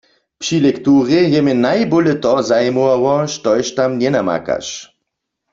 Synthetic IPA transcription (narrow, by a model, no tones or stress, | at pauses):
pʃilɛkt̪uːʁɛjɛmɛnajbolɛt̪ɔzajmuawɔʃtɔjʃtamnjɛnama̰ka̰ʃ